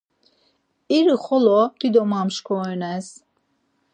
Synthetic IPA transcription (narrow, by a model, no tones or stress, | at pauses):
iɾiχɔlɔd̪̥id̪ɔmamʃkʰɔɛnɛs